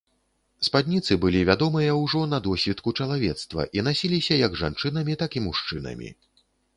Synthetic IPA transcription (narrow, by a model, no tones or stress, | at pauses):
spad̪ʲnʲit̪sɨbɨlʲivʲad̪ɔmɨjɐwʐɔnɐd̪ɔsʲvʲit̪kut͡ʂɐlˠavʲɛt̪st̪vɐ̰ʔinasʲilʲisʲɐjɐɡʐa̰nt͡ʂɨn̪ɐmʲit̪akimuʂt͡ʂɨnɐ̰mʲḭ